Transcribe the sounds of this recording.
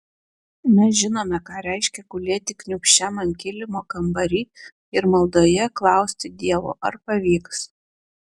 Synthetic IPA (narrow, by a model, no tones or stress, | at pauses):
mʲɛs̬ʒʲɪnoːmʲɛkɑːɾʲɛɪʃʲkʲɛkʊlʲiɛt̪ʲɪknʲʊkʃʲæmɐnʲkʲɪlʲɪmoːkɐmbɐɾʲiː | ɪɾmɐlˠd̪oːjɛklˠɑˑʊsʲt̪ʲɪd̪ʲiɛʋo̰ːʔɐ̰ɾpɐʋʲiːks